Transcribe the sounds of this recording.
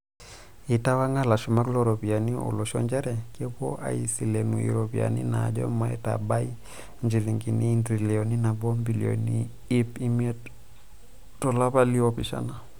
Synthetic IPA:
i˨ta˦wa˦ŋa˦la˨ʃu˨ma˦kloɾopi˨a˨ni˦o̰˨lɔ˨ʃɔ̰˦ɲd͡ʒa˦ɾɛ˨ke˦po̰˦ʔa̰˨i˨si˨le˨nu˨ḭ˨ɾopi˨a̰˨nḭ˦na̰˨d͡ʒɔ̰˦ma˦ɛ˦ta̰˨ba˦i | ɲd͡ʒi˨li˨ŋɡi˨ni˦ndɾi˨lioni˦na˨bɔ˦mbilio̰ni | i˦pi˦mie˦t | tɔ˨la˦pa˦li˦ɔpi˨ʃa̰na˨

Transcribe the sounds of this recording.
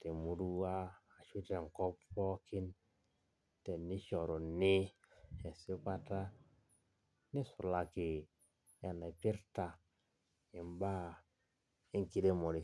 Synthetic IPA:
te˨mu˨ɾu˦waː˦˨ | ʃu˦te˨ŋ˨ko˦pːo˦ki˦n | te˨nːi˦ʃo˨ɾo˨ni˦e˨si˦ka˦ta˦ | ni˦sṵ˨la˨ki˨ | e˨na˨pi˦ɾta˨ | i˨mba˦ | i˦ŋki˦de˦mo˨ɾi˨

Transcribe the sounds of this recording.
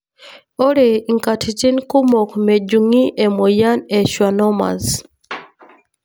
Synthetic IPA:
o˦ɾe˨iŋkatʰi˨t͡ʃi˦nku˦mo˨kme˨ɟu˨ŋi˦ʔe˨mo˨ja˦ne˨ʃwa˨no˦ma̰˨z

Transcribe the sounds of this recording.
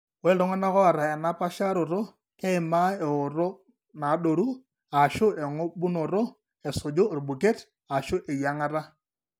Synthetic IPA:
wɛ˦lɔ˦ŋɔ˦na˦kɔ˦a˨ɾa˨ɛ˨na˦pa˦ʃa˦ɾo˨ɾo˦ | kɛ˦ɪ˨ma˦ɛ˨ʊ˨ɾo˦ | na˨˦ɗo˨ɾu˦ | a˨ʃʊ˦ɛ˨ŋo˦bu˦no˨ɾo˦ | ɛ˨so˨d͡ʒo˦˨rbu˨ke˦t | a˨ʃʊ˦ʔe˨ja˦ŋa˦ɾa˦

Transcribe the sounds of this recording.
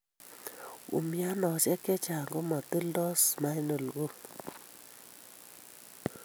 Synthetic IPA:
ṵ˨mi˦a˦nɔ˨sɛ˦kːɛ˦t͡ʃa˨ŋɡo˦mɔ˨tə˦ldɔ˦sma˦jnə˨lɡo˦

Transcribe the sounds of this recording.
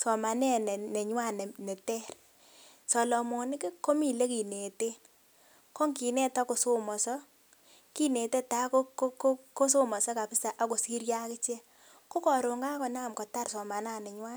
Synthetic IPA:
sɔ˨ma˨nɛ˦nɛ˨nɛ˨ɲwa˦˨nɛ˨nɛ˨tɛ˦r | sɔ˨lɔ˨mɔ˨nɪ˦ke˦ko˦mi˨le˦ki˨ne˨te˦ | kɔ˦ŋki˨nɛ˦ta˦ko˨so˦mɔ˨sɔ˦ | ki˦ne˨te˦ta˨˦ko˦ko˦kko˦s̬o˦mɔ˨sɔ˦ka˨pɪ˦sa˨ʔa˨ko˨si˦ɾja˦kɪ˦t͡ʃɛ˦ | ko˦kɔ˨ɾo˨ŋɡa˦kɔ˨na˦˨mkɔ˨ta˦rsɔ˨ma˨na˦˨nɛ˨ɲwa˦n

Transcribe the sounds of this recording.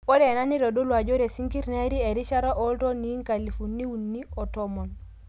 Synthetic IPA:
o˦ɾe˨na˦ni˦ɾo˨do˦lwa˨d͡ʒo˦ɾe˨si˦ŋki˦ɾne˦ɾi˦e˨ɾi˦ʃa˦ɾo˦ʔo˦lto˦ni˦ŋka˨li˨fu˨nːi˦wu˨nːi˦o˨tomo˨n

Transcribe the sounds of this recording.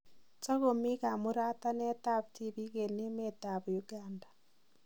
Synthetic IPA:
t͡ʃo˦ɣo˨mi˦ka˨mu˦ɾa˦ta˦ne˦ta˦βti˦βi˦ɣe˨ni˦me˦ta˨βjuɡaːndḁ˨

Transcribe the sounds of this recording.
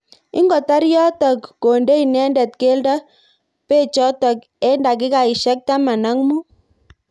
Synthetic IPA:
ɪ̰˦ŋɡɔ˨ta˦ɾjɔ˦tɔ˨kːo˨nde˦i˨nɛ˦ndɛ˨t̚ke˦lda˦ | pe˦˨t͡ʃɔ˦tɔ˨k | ɛ˦nda˨kɪ˦ka˨i˨ʃɛ˦k̚ta˦ma˨na˦ŋmu˦

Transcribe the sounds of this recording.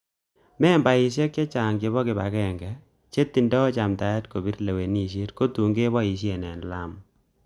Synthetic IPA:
mɛ˦mba˨ɪ˨ʃ̬jɛ˦kjɛ˦t͡ʃa˨ŋɡe˨βɔ˦kɪ˨ba̰˨kɛ˦˨ŋɡɛ˨ | t͡ʃe˦t̪ːi˨ndɔ˦t͡ʃa˨mta˨ɛ˦tko˨bi˦ɾle˨we˨ni˦ʃ̬e˦tko˦tu˨ŋɡe˦bɔ˦i˨ʃ̬je˨nɛ˨nla˦m

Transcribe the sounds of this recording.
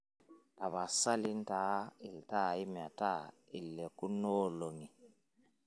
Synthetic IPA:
ta˨βa˨sa˦li˦n˦taː˨˦i˨lta˦˨i˦mja˨ta˦˨ | i˨lːɛ˨ku˦nɔː˦lo˨ŋi˨

